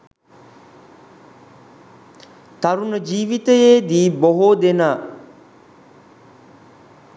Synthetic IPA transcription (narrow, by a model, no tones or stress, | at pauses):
t̪aɾunəd͡ʒiːʋit̪əjeːd̪iːboɦod̪enaː